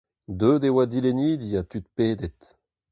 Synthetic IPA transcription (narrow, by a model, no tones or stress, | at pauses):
d̪øːd̪ewad̪ileniːd̪iat̪yt̪peːd̪ɛt̪